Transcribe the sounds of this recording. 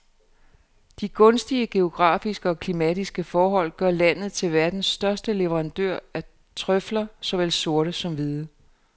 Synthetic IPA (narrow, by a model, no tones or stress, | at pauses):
d̥iɡ̥ɔ̽nsd̥iəɡ̥e̝o̝ɡ̥ʁɑ̰̈ːfisɡ̥əɒ̽kʰlimɛd̥isɡ̥əfɒːɦɒ̽l̰ɡ̥ɶɐlæn̰ð̩ˠt͡sʰe̝lʋæɐd̥n̩sd̥ɶɐsd̥əle̝ʋəʁɑ̈nd̥øɐ̰æ | t͡sʰʁœflɐsɒ̽ʋel̰so̝ɐɾəsɒ̽mʋiðˠə